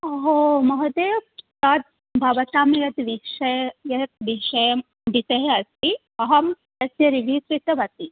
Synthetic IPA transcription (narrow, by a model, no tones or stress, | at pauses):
ɐɦomɐɦɐd̪eːt̪ɐt̪̚ | bʱɐʋɐt̪aːmjɐt̪ʋiʃɐjjɐt̪̚ʋiʃɐjɐm | ɖ̪it̪ɐɦeɐst̪i | ɐɦɐm | d̪ɐsjɐɾibʱisɾit̪ɐʋɐt̪i